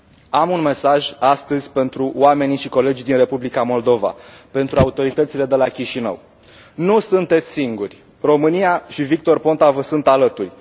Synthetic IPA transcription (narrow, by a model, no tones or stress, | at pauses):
amunme̞saʒast̪əzʲpe̞nt̪ɾuoame̞niʃiko̞le̞d͡ʒid̪inre̞publikamo̞ld̪o̞va̰pe̞nt̪ɾuaut̪o̞ɾit̪ət̪sile̞d̪e̞lakʲiʃinə̰w | nusunt̪e̞t̪sʲsiŋɡurʲ | ro̞mɨnijaʃivik̚t̪o̞rpo̞nt̪avəsunt̪alət̪urʲ